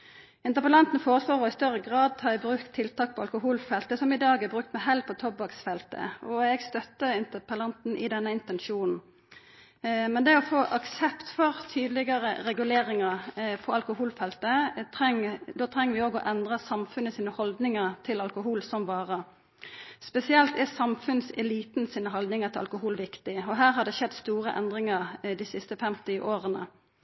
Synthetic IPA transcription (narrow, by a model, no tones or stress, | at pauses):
ɪnt̪əʁpəlɑnt̪n̩foːʁəsloːʁɔɪst̪œʁəɡʁɑːd̪̚t̪ʰɑːɛbɾʉkt̪ʰːɪlt̪ʰɑːk̚pʰɔɑlkʊɦuːlfɛlt̪əsɔmɪd̪ɑːɡɛbʁʉk̚t̪mɛɦɛl̚pʰɔt̪ʰɔbɑksfɛlt̪ə̰ɔɛɡst̪œt̪ːəɪnt̪əpəlɑnt̪n̩ʔɪ̰d̪ɛnːəɪnt̪ɛnʃuːnn̩ | mɛnd̪ɛɔfoːʔɑksɛpt̪fɔʁt̪ʰyːd̪lɪɡɑʁəʁɛɡʉleːʁɪŋəpʰɔɑlkʊhuːlfɛlt̪ət̪ʰʁɛŋd̪oːt̪ʰɾɛŋːəʋɪoːɡɔʔɛnd̪ʁəsɑmfʉnəsiːnəhɔld̪nɪŋəʁt̪ʰɪlɑlkʊɦuːlsɔmʋɑːʁə | spɛsɪɛlt̪æsɑmfʉnsɛliːt̪nəsiːnəɦɑld̪nɪŋət̪ʰɪlɑ̰lkʊɦuːlʋɪkt̪ɪɔɦæːɾɦɑd̪ɛʃɛd̪ːst̪uːʁəʔɛ̰nd̪ʁɪŋɑʁd̪ɪsɪst̪əfɛmt̪ɪʔoːʁənə̰